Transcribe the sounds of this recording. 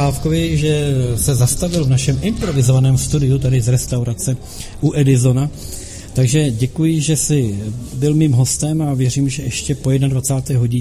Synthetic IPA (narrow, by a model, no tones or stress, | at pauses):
aːfkovɪʒɛsɛzast̪avɪlvnaʃɛmʔɪmpɾo̞vɪzo̞vanɛːmst̪udɪut̪adɪzɾɛst̪awɾat͡sɛ | ʔuʔɛdɪzo̞na | t̪aɡʒɛɟɛkujɪʒɛsɪbɪlmiːmɦo̞st̪ɛmavjɛriːmʒɛʔɛʃcɛpo̞jɛdnadvat͡saːt̪ɛːɦo̞ɟɪ